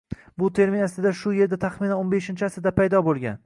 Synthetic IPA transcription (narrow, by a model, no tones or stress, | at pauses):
bʊt̪ʰe̞ɾminast̪ɪd̪aʃʊje̞ɾd̪at̪ʰaχminanonbe̞ʃɪnt͡ʃʰɪasɪd̪apʰajd̪ɒbolˠɡʲa̰n